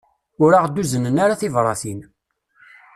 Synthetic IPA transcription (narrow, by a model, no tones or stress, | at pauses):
ʊɾaʁd̪ːuzənənaɾaθɪvɾˤɑ̰θin